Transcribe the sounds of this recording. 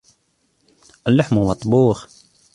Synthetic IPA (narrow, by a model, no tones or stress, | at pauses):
ʔɪlːaħmumɑt̪ˤːbuːx